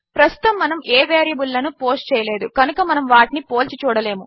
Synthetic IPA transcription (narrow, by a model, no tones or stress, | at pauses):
pɾɐst̪u̥t̪ɐmːɐnɐmʔeːʋeːɾijɐbulːɐnupo̞ːsʈt͡ʃɛːjɐle̞ːd̪ukɐnukɐmɐnɐmʋaːʈinipo̞ːlt͡ʃit͡ʃuːɽɐle̞ːmu